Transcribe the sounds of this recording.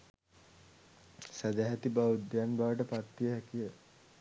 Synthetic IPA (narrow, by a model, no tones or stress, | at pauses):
sæd̪aɦat̪ibaud̪janbaʋəʈəpat̪ːijəɦɛkijə